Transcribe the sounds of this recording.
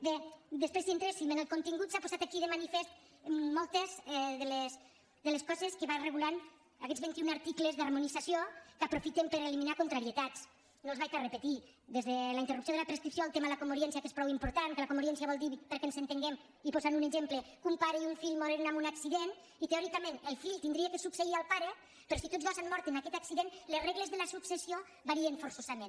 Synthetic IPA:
bed̪əspɾezðient̪ɾesfilmenelˠkont̪iŋɡut̪sapoz̥at̪akiðemanifest̪ː | ɔlˠt̪ezɛðeles | ðeleskɔzeskeβareɣulan | akɛzβent̪iunaɾt̪iklezðarmunizasjokapɾofit̪empeɾeliminakont̪ɾaɾiet̪at͡s | nolzβajkarepet̪id̪ezðelaint̪erupsjoðelapɾeskɾipsjoalˠt̪emaðlakomuɾiɛnsiakespɾɔwimpuɾt̪ankelakomoɾjɛnsiaβɔlˠd̪iβpeɾkensent̪eŋɡem | ipozanuneʒemplekumpaɾiuɱfiʎmoɾɛɾnamunaksiðen | it̪eɔɾikamẽnelˠfiʎt̪ind̪ɾiekesukseialˠpaɾe | peɾɔsit̪ozɣɔzanmɔɾt̪enakɛt̪aksiðenlezreɣlezðelasuksesio | βaɾieɱfoɾsozamẽn

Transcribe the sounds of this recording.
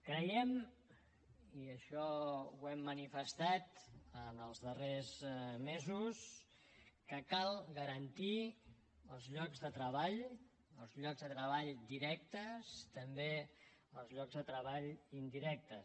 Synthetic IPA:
kɾəjɛm | iəʃɔwɛmːənifəst̪at̪ənəlˠzðərezmezus | kəkalˠɣəɾənt̪i | əlˠzʎɔɡzðət̪ɾəβaʎ | əlˠzʎɔɡzðət̪ɾəβ̞aʎd̪iɾɛk̚t̪əst̪əmbe | əlˠzʎɔɡzðət̪ɾəβaʎind̪iɾɛk̚t̪ə

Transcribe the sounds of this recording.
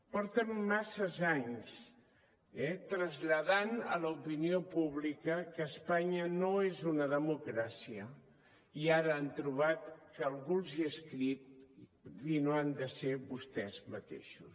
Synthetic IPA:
pɔɾt̪əmːasəzaɲs | ɛt̪ɾəzʎəðanə̰ləupiniopuβlikəkəːspaɲənoezunəðəmukɾasiə | iaɾəːnt̪ɾuβ̞at̪kəːlˠɣunziəskɾit̪ | βinoand̪əseβust̪ɛzmət̪ḛʃus

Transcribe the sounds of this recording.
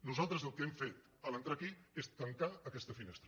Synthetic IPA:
nuzalˠt̪ɾəzəlˠkəemfet̪ | ələnt̪ɾakiest̪əŋkaəkɛst̪əfinest̪ɾə

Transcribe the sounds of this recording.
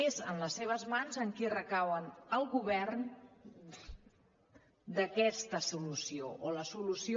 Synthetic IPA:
ezə̰nləsːeβ̞əzmanzəŋkirəkawənəlˠɣuβɛrn | d̪əkɛst̪əsulusioʔoləsulusi

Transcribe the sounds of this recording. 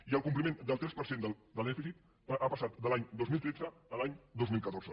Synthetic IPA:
iəlˠkumplimẽnd̪əlˠt̪ɾɛspəɾsend̪əd̪əlˠd̪ɛfisit̪ | apəsat̪d̪əlaɲd̪ozmilˠt̪ɾed͡zəːlaɲd̪ozmilˠkət̪oɾz̥ə

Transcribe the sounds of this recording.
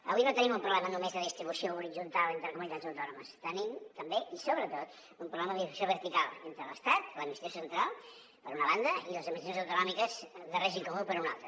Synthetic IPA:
ə̰βuinot̪ənimumpɾuβlɛmənumezðəðist̪ɾiβusiouɾizunt̪alˠent̪ɾəkumunit̪add͡zzəwt̪ɔnuməst̪ənimt̪əmbeisoβɾət̪ot̪ | umpɾuβlɛməðiβusjoβəɾt̪ikalˠent̪ɾələst̪at̪ləmist̪iosənt̪ɾalˠ | pəɾunəβand̪əiləzəməʒinəzəwt̪unɔmikəzðəreʒiŋkomupəɾuna̰lˠt̪ɾə

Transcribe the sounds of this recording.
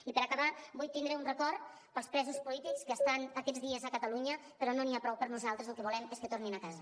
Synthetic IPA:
ipəɾəkəβabujt̪ind̪ɾəunrəkɔrt̪ | pəlˠspɾɛzuspulit̪ikskəːst̪anːkɛd͡zðiəzəkət̪əluɲə | pəɾɔnoniapɾɔwpəɾnuzalˠt̪ɾəzəlˠkəβulɛmeskət̪orninəkazə

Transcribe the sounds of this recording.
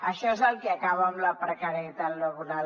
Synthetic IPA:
aʃas̬alk̪iakawamlapərkaɾait̪alːaɡuna

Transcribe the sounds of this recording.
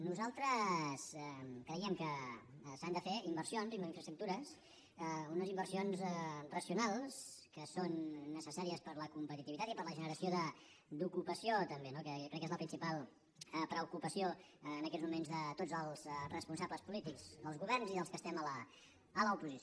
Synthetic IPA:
nuzalˠt̪ɾəskɾəiəmkəsand̪əfeimbəɾsionzimiɱfɾəst̪ɾuk̚t̪uɾəs | unəzimbərsionzrəsiunalˠskəsonːəsəsaɾiəspəɾləkumpət̪it̪iβit̪at̪ipəɾləʒənəɾəsioðə | d̪ukupəsiot̪əmbenokəjokɾɛkːezləpɾinsipalˠ | əpɾəukupəsioənəkɛzmumenzðət̪ozəlˠzrəspunsabləspulit̪ikz̥əlˠzɣuβɛɾnziðəlˠskəst̪ɛmələː | ləupuzis

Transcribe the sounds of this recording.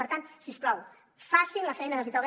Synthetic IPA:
əɾt̪ansisplɔw | fasilɐfɛjnəðəlzit̪ɔ

